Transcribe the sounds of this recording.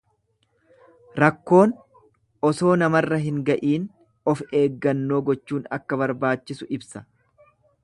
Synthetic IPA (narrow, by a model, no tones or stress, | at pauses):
ɾɐkːo̞ːn | ʔɔso̞ːnɐmɐrːɐɦɪŋɡɐʔiːn | ɔfe̞ːɡːɐnːo̞ːɡɔt͡ʃːuːnɐ̰kːɐβɐɾbaːt͡ʃːɪsʊʔɪbsɐ̥